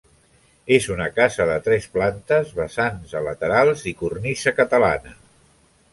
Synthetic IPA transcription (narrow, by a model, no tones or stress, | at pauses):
ezunəkazəðət̪ɾɛsplant̪əzβəsanzələt̪əɾalˠzikurnisəkət̪əla̰nə